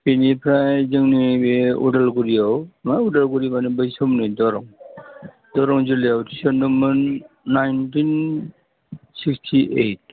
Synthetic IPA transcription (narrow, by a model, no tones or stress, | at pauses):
pinipʰɾajzɯŋnibeṵdalɡuɾijawmaudalɡuɾibanibɯjsɔmnɯjdɔɾɔŋ | dɔɾɔŋzulijawti̥sɔndɯmɯnː | ajntin | sikstʰiʔejt̚